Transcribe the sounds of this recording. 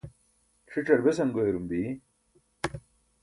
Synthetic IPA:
ʈ͡ʂʰiʈ͡ʂɐɾbesɐŋɡoeɾumb̪i

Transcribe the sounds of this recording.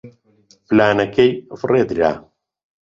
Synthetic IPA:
flaːnakejfred̪ɾa̰

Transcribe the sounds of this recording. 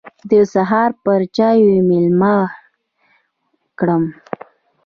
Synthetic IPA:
d̪əsaɦɑɾpəɾd͡ʒɑjwmɪlma | kɽəm

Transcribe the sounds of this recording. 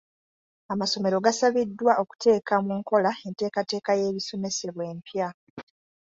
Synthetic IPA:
amaso̞me̞ɾo̞ɡasaβidːwaʔo̞ku̥te̞ːkamuŋko̞lae̞nte̞ːkate̞ːkaje̞ːβiso̞me̞se̞βwe̞ːmpja

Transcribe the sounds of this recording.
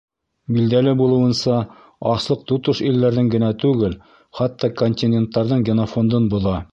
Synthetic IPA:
bild̪ælɘbulˠɤ̆wɤ̆nsɑ | ɑslˠɤq̚t̪ut̪ɤʃilːæɾðɘŋɡɘ̆næt̪ʉɡɘl | χɑt̪ːɑkonʲt̪ʲinʲent̪ːɑɾðɤɴɡʲenofond̪ɤnbuðɑ

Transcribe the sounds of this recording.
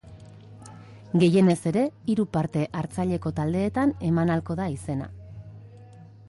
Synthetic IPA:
ɡe̞je̞ne̞se̞ɾe̞iɾupaɾt̪e̞ʔaɾt͡saʎe̞ko̞t̪ald̪e̞ːt̪ane̞manalko̞ðaise̞na̰

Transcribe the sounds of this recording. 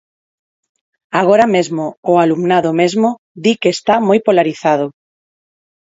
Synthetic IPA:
aɣ̞oɾamezmʊːalumnaðʊmezmʊ | ðikeːst̪amojpolaɾiθaðʊ

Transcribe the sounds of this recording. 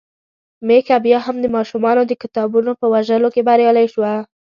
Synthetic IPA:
mekabjɑɦamd̪əmɑʃumɑnod̪əkɪt̪ɑbunopəwaʒəlokebaɾjɑlajʃwa

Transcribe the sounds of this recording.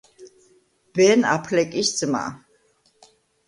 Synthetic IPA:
b̥ɛna̰pʰlɛkʼisd̪zma̰

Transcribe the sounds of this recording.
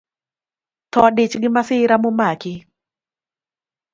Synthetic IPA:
t̪ɔdɪt͡ʃɡɪmasɪɾamʊmakɪ

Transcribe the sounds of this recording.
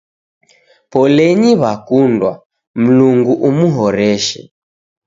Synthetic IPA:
pɔlɛɲiβakundwa | m̩luŋɡuʔumuɦɔɾɛʃɛ̰

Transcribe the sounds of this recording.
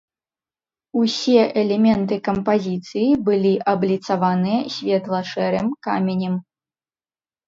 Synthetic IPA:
usʲɛʔɛlʲɛmʲɛnt̪ɨkɐmpazʲit̪sɨjibɨlʲiʔɐblʲit̪savanɨjɛsʲvʲɛt̪lˠɐʂɛɾɨmkamʲenʲɛm

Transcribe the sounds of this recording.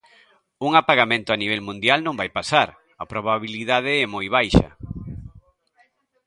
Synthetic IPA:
uŋapaɣamẽnt̪ʊaniβɛlmũnd̪jalnõŋbajpasaɾ | ɐpɾoβaβiliðað̞ɪɛmojβajʃɐ̰

